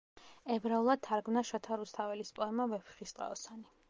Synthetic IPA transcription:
ɛbɾaulˠad̪̚t̪ʰaɾɡmnaʃɔt̪ʰaɾust̪ʰavɛlispʼɔɛmavɛpʰi̥χist̪ʼa̰ɔsani

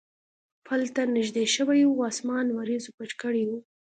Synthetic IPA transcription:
pʰəlt̪anɪʒd̪eʃəwajuɑsmɑnwaɾizopat͡ʃkəɽiwu

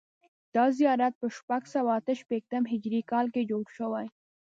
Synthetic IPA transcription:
d̪̥ɑzijɑɾat̪̚pəʃpaɡsawaːt̪əʃpek̚t̪əmɦɪd͡ʒɾikɑlked͡ʒoɽʃəwaj

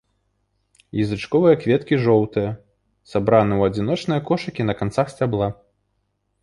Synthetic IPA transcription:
jizɨt͡ʂkɔvɨjɐkvʲɛt̪kʲiʐɔwt̪ɨjɐ | sabɾanɨwɐd͡zʲinɔt͡ʂnɨjɐkɔʂɐkʲinɐkant̪saxsʲt͡sʲablˠa

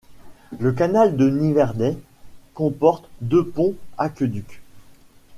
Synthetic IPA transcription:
lək̬anald̪ənivɛʁd̪ɛ | kɔ̃pɔʁt̪d̪øpɔ̃akʲəd̪yk

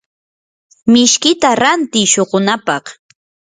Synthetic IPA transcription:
mɪʃkɪt̪aɾant̪ɪjʃoɢʊnapɑχ

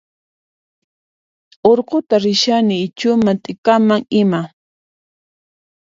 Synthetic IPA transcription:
oɾqot̪aɾɪʃanɪːt͡ʃʊmat̪ʼɪkamaŋɪma

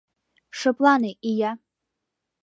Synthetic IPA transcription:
ʂɐpʼlanɨʔija

